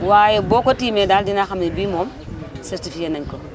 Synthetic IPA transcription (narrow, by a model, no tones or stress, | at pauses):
wajebokotimedaːldinaxamnibimoːm | sɛɾtifikenaŋko